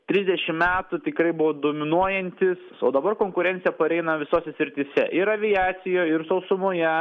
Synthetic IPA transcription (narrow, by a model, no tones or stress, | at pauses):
t̪ʲɾʲɪzʲd̪ʲɛʃʲɪmmʲæːt̪ʊt̪ʲɪkɾɐɪbʊʋoːd̪oːmʲɪnuɔjɛnʲt̪ʲɪsso̰ːd̪ɐbɐrkoːŋkʊɾʲɛnt̪sʲɪjɛpɐɾʲɛɪnɐʋʲɪsoːsʲɛsʲɾʲɪt̪ʲɪsʲɛ̰ʔɪɾɐʋʲɪjæːt̪sʲɪjoːɪɾsɐʊsʊmoːjɛ